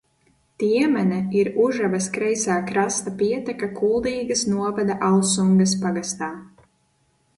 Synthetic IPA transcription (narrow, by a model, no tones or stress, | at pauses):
t̪iɛmɛnɛiɾuʒavɐskɾɛjsaːkɾast̪apiɛt̪ɛkakulˠd̪iːɡɐsnuɔvad̪aʔalˠsuŋɡɐs̬paɡast̪aː